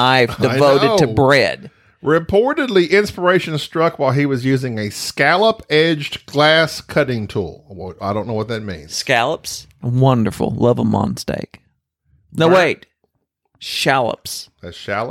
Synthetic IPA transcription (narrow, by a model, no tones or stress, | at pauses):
aɪvdɨvoʊɨdtʰɨbɹɛ̰d̥ | ɹɨpʰɔɹɾɨdˡliʔɪ̃nspə˞eɪʃɨ̃nstɹ̥ʌkwaɪlˠiwʌzjʉzɪ̃ŋɨskælˠəpɛd͡ʒɡ̥læskʰʌɾɪ̃ŋtʰṵlˠwaɪɾõʊ̃nːoʊwʌt̪̚ðɨt̚mḭ̃nskælˠəpswʌ̃ndə̰˞fl̩ˠlʌvəmɑ̰̃nstḛɪk | noʊweɪt̚ | ʃælˠə̰psðɨʃælˠə